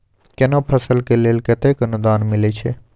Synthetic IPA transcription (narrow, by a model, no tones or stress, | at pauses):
kenopʰəsəlkeleːlket̪eːkənʊd̪aːnmɪlet͡ʃʰe